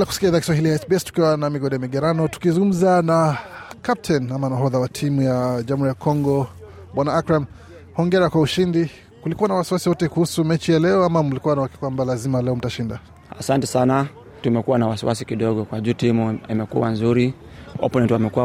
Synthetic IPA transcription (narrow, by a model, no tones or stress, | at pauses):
lakusi̥kiaiðakiswaɦilijaɛsbiɛstu̥kiwanamiɡɔɗɛamiɡɛɾanɔtu̥kizũŋɡum̩zanakap̚tʰɛnamanaɦɔðawatʰimujaʄamuɾijakʰɔŋɡɔ | ɓwanaakɾam | hɔŋɡɛɾakwauʃindi | kulikuwanawasiwasiwɔtɛkuhusumɛt͡ʃijalɛɔamamulikuwanawakɛ̥kwambalazimalɛɔm̩taʃinda | a̰santɛsana | tumɛkuwanawasiwasikiɗɔɠɔkwaʄutimuimɛkṵwa̰nzuɾiɔ̰pɔnɛntwamɛkuwa